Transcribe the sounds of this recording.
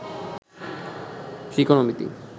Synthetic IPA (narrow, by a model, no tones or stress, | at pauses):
ʃikonomit̪ḭ